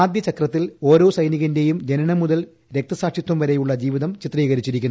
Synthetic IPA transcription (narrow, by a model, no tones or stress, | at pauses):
aːd̪jɐt͡ɕɐkrɐt̪ːilo̞ːɾo̞ːsɐjniɣɐnde̞jumd͡ʑenɐɳɐmuðɐl | ɾek̚t̪ɐsaːkʂit̪wɐmʋɐɾe̞juɭːɐd͡ʑiːʋiðɐmt͡ɕit̪ːriːɣɐɾit͡ɕːiɾikʲːunː